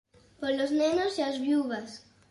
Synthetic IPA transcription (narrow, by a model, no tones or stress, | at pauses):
poɾloznenosiazβjuβas